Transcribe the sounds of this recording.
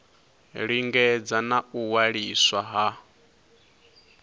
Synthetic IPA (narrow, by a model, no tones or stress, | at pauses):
ɺiŋɡɛd͡zanauwaɺiswaɦa